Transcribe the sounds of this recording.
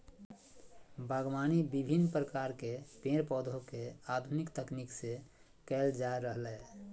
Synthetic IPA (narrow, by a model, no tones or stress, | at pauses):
bʱəɡʋaːnibibʱinːpɾəkaɾkepẽɾpɔd̪ʱokead̪ʱunikt̪əknikse | kɛld͡ʒaeɾəɦlɛː